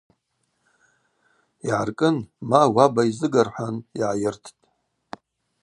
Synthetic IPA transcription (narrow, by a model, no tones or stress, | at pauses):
iʕarkʼɨnmawabaizɨɡarħʷaniʕajɪrtʰtʼ